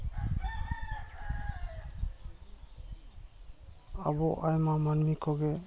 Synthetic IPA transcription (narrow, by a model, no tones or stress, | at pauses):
a̰bɔʔajmamanmikʰɔɡɛ